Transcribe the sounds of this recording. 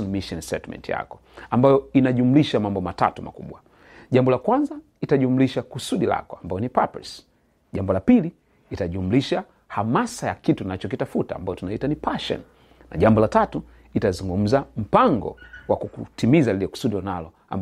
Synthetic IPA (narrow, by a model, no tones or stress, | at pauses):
ɔnmiʃɔnsɛ̰tmɛ̰ntija̰kɔ̥ | ambajɔinaʄumuliʃamambɔmata̰tuma̰kṵɓwa | ʄambɔlakwanza | itaʄumuliʃakusuɗila̰kɔambajɔnipapɛ̰s | ʄambɔlapili | itaʄumuliʃa | hamasajakitunat͡ʃɔkitafutaːmbajɔtunaitanipaʃɔ̰n | na̰ʄambɔlatatu | itazuŋɡum̩zam̩paŋɡɔ̰wakukutimizalilɛku̥suɗilɔnalɔ | a̰m